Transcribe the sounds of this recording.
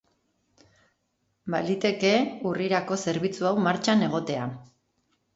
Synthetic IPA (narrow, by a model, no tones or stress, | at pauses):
balit̪e̞ke̞uriɾako̞se̞ɾβ̞it͡suawmaɾt͡ʃane̞ɣ̞o̞t̪e̞a